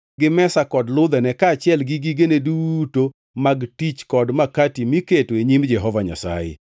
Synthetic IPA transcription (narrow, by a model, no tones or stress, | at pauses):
ɡɪmɛsakɔdlʊd̪ɛnɛkaːt͡ʃɪɛlɡiɡiɡeneduto | maɡtit͡ʃkɔdmakatimiketoeɲimd͡ʒɛɦɔvaɲa̰sa̰jɪ̰